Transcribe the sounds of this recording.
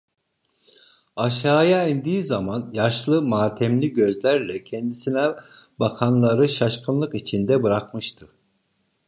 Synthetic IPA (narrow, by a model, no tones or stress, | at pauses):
aʃaːjainʲd̪iːzamanjaʃlˠɯmaːt̪ʰɛmlʲiɟøzlʲæɾlʲɛcʰɛnd̪isinɛ | bakʰanlˠaɾɯʃaʃkʰɯnlˠɯkit͡ʃʰind̪ɛbɯɾakmɯʃt̪ʰɯ